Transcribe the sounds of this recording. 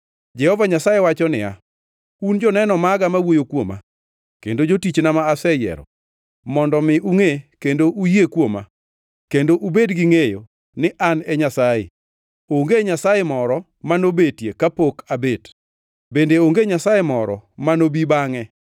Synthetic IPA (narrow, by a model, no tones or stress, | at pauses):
d͡ʒɛhɔvaɲasajewat͡ʃɔnɪja̰ | und͡ʒɔnɛnɔmaɡamawojokwoma̰ | kendod͡ʒotit͡ʃnamaːsɛjɛ̰ɾɔ̰ | mɔndɔmɪuŋekendoʔujekwoma̰ | kendoʔubedɡiŋejo | nɪʔanɛɲasajḛ | oŋɡeɲasajemɔɾɔ | manobetjekapokʰabet | bendeoŋɡeɲasajemɔɾɔ̰manobibaŋɛ